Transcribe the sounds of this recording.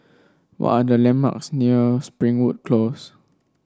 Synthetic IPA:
wɔ̰tadəlɛ̃mma̰ksniəspɹĩŋwut̚kʰlos

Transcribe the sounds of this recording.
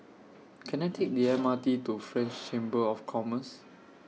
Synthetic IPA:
kʰɛ̃naɪtʰek̚diɛmatitufɹɛ̃nt͡ʃt͡ʃẽmbəɔfkʰɔməs

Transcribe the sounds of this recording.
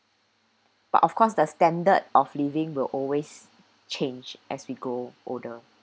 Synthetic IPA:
b̥a̰tɔfkʰɔsdəstɛ̃ndədɔflivɪ̃ŋwɪlʔɔlwes | t͡ʃʰẽnd͡ʒʔɛswiɡoʔodə

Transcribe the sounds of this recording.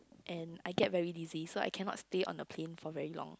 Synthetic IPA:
ʔɛ̃na̰jɡɛt̚vɛɹidizisoa̰jkʰɛnɔ̰tsteʔɔ̰̃nəpʰlẽnfɔvɛɹilɔ̰̃ŋ

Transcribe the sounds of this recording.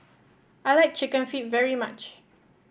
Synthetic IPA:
ajlajk̚t͡ʃɪkə̃nfit̚vɛɹimat͡ʃ

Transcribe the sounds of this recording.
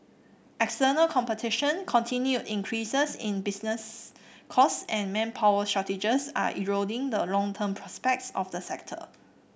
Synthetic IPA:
ʔɛkstənəlkʰɔ̃mpətʰiʃə̃nkʰɔ̃ntʰĩnjutĩŋkʰɹisəsĩnbisnəskʰɔsɛ̃nmɛ̃npʰawəstɹatid͡ʒəsa̰ʔḭɹodɪ̃ŋdəlɔ̃ŋtʰəmpʰɹɔspɛk̚tsɔfdəsɛk̚tʰə̰

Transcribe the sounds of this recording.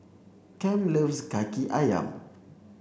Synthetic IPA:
kɛmlivzkakiʔaja̰m

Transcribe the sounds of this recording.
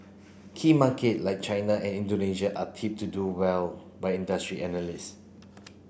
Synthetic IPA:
kʰimaketlaɪjk̚t͡ʃajnaʔɛ̃nĩndoneʃaʔatʰip̚tuduwɛl | baɪjĩndastɹiʔɛnəlis

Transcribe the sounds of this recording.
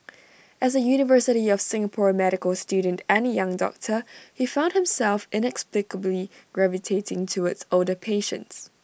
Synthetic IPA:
ʔɛs̬əjunɪvəsɪɾiɔfsɪ̃ŋəpʰɔɹmɛɾɪkəlstjudən̩tɛ̃nəjãŋdɔ̰k̚tʰəhifãʊ̃ndhɪ̃msɛlˠfɪ̃nɛksplɪkəbliɡ̥ɹɛvɪtʰetɪ̃ŋtʰuɪtsoldəpʰeːʃə̰̃nts

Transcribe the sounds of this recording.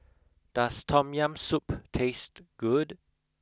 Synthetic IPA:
d̥astʰɔ̃mjãmsuptʰestɡ̥ud

